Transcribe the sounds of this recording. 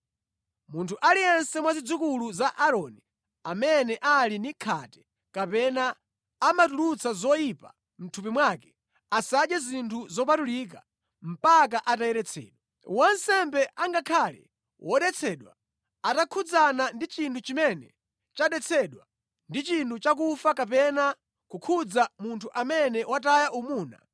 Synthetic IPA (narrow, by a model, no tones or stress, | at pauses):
muntʰuʔalijɛnsɛmwazid͡zukuluzaʔaɾɔni | amɛnɛʔalinikʰatɛ̥ | kapɛnaː | matulut͡sazɔjipa | m̩tʰup̬imwakɛ̥ | asaɗjazintʰuzɔp̬atulik̬a | m̩pak̬aʔatajɛɾɛt͡sʰɛ̰ːɗwa | wansɛmbɛʔaŋɡakʰalɛ̰ | wʔɔɗɛt͡sʰɛːɗwa | atakʰud͡zanandit͡ʃintʰut͡ʃimɛnɛ | t͡ʃaɗɛt͡sʰɛɗwa | ndit͡ʃintut͡ʃakufakap̬ɛna | kukʰud͡zamuntʰuʔamɛnɛwatajaʔumuːna̰